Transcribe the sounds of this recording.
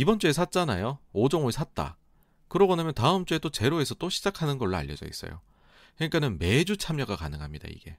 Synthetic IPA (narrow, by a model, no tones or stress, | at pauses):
ibʌnt͡ɕ͈ue̞s̬ʰat̚t͡ɕ͈anajood͡ʑoŋoɭsʰat̚t͈a̰ | kɯɾʌɡonamjʌntaɯmt͡ɕ͈ue̞t͈ot͡ɕe̞ɾoe̞sʰʌt͈oɕʰid͡ʑakʰanɯnɡʌɭːoa̰ʎːʌd͡ʑʌ̰ḭs͈ʌ̰jo̰ | kɯɲik͈anɯnme̞d͡ʑut͡ɕʰamɲʌɡakanɯŋɦamɲid̥a̰ḭɡ̥e̞̰